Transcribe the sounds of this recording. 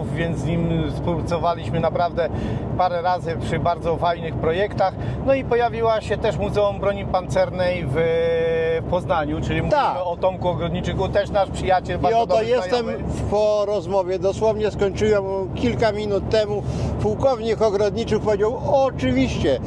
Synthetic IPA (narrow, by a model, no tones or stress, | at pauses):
vʲjɛnt̪zɲimspuwpat̪sɔvalʲiɕmɘnapɾavd̪ɛpaɾɛɾazɘpʂɘbaɾd̪zɔvajnɘxpɾɔjɛkt̪axnɔipɔjavʲiwaɕɛt̪ɛʂmuzɛumbɾɔɲipant̪sɛɾnɛjv | pɔznaɲut͡ʂɘlʲimut̪aɔt̪ɔmkuɔɡɾɔd̪ɲit͡ʂɘkut̪ɛʂnaʂpʂɘjat͡ɕɛlbaɾɔd̪ɔjɛsajt̪ɛmpɔɾɔzmɔvʲjɛd̪ɔswɔvɲɛskɔɲt͡ʂɘwɛmkʲilkamʲinut̪ːɛmupuwkɔvɲikɔɡɾɔd̪ɲit͡ʂɘkpɔvʲjed͡ʑawɔt͡ʂɨvʲiɕt͡ɕɛ